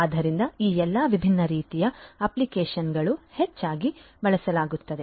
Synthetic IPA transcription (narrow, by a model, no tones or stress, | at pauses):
aːd̪ɐɾind̪ɐiːɛlːɐʋibʱinːɐɾiːt̪ijɐɐplikeːʃɐnɡɐɭuhe̞t͡ʃːaːɡi | bɐɭɐsɐlaːɡut̪ːɐd̪e